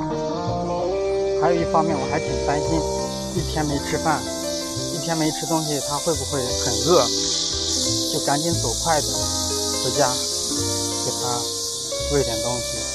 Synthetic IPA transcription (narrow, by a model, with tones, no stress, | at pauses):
xa˥jo˨˩ʊi˥˩fɑ˥ŋmjɛ˥˩nwɔ˨˩xa˧˥ɪt͡ɕʰi˨˩˥t̪a˥nɕi˥n | i˥˩t̪ʰjɛ˥nme˧˥i˥˧ʈ͡ʂʰɻ̩˥fa˥˩n | i˥˩jɛ˥nme˧˥i˥˧ʈ͡ʂʰɻ̩˥t̪ʊ˥ŋɕi˨˩t̪ʰa˥xwe˥˩ɪbu˨˩xwe˥˩ɪxʰə˨˩nɻɤ˥˩ | t͡ɕo˥˩ka˧˥nt͡ɕi˧˥nswɔ˨˩kʰwa˥˩ɪd̪ə˩ | kɤ˧˥t͡ɕja˥ | ke˨˩ɪt̪ʰa˥ | we˥˩ɪʈ͡ʂɛ˨˩nt̪ʊ˥ŋɕi˨˩